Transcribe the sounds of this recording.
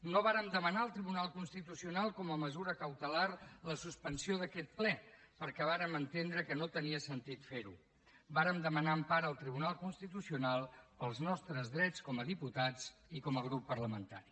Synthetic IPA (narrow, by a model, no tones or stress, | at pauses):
noβ̞aɾəmd̪əmənaəlˠt̪ɾiβunalˠkunst̪it̪usiunalˠkɔməməzuɾəkəwt̪əlarləsuspənsioðəkɛt̪̚plɛ | pəɾkɛβ̞aɾəmənt̪end̪ɾəkənot̪əniəsənt̪it̪feɾu | baɾəmd̪əmənaəmpaɾəlˠt̪ɾiβunalˠkunst̪it̪usiunalˠpəlˠznɔst̪ɾəzðɾɛt͡skɔməðiput̪ad͡zikɔməɣ̞ɾupːərləmənt̪a̰ɾi